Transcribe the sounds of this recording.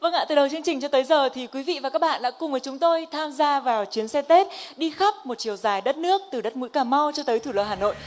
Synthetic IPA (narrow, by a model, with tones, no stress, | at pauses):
və˧ŋʔa̰˧t̪ɨ˨˩ɗə˨˩wt͡ɕɨ˧əŋt͡ɕï˨˩ŋ̟t͡ɕɔ˧t̪əː˨˦jzəː˨˩t̪ʰi˨˩kwi˨˦vḭ˧˨va˨˩kaː˦˥k̚ɓa̰ː˧˨ɗa̰ː˧˥kʊ˨˩ŋ͡mvəː˨˦jt͡ɕʊ˨˦ŋ͡mt̪o˧jt̪ʰaː˧mzaː˧vaː˨˩wt͡ɕi˨˦ənsɛ˧t̪e˦˥t̚ɗi˧xa˦˥p̚mo˨˩t̚t͡ɕi˧˩əwzaː˨˩jɗə˦˥t̚nɨ˦˥ək̚t̪ɨ˨˩ɗə˦˥t̚mṵ˧˥jkaː˧˩ma˧wt͡ɕɔ˧t̪əː˨˦jt̪ʰu˧˩lə̰˨˧˩haː˨˩no̰˧˨jʔ